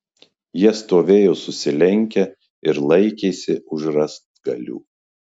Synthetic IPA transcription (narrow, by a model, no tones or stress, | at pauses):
jiɛst̪oːʋʲeːjoːsʊsʲɪlʲɛŋʲkʲɛ | ɪɾlˠɐɪkʲeːsʲɪʊʒɾɐst̪ɡɐlʲṵː